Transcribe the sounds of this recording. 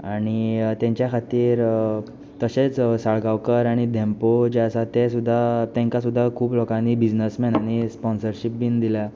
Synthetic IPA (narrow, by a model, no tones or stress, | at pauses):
aɽ̃it̪ẽɲt͡ɕjakʰat̪iːɾ | t̪əɕet͡ssaɭɡawkəɾaɽ̃id̪ʱɛmpod͡ʑeasat̪ɛsud̪ʱːat̪ɛ̃ŋkasud̪ʱːakʰuːplɔkãnːibid͡ʑnəsmɛnañispɔnsəɾɕipbind̪ila